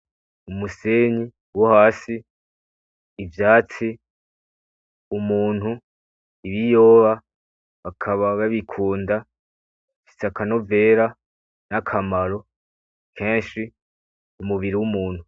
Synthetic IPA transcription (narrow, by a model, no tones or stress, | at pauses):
umuseɲi | wohaːsi | vjaːt͡si | umuːn̥hu | iβijo̞ːβa | akʰaβaβaβikʰuːnda | fi̥sakano̞ve̞ːɾa | nakʰamaɾo̞ | kʰẽːnʃi | kumuβiɾiwumuːn̥hu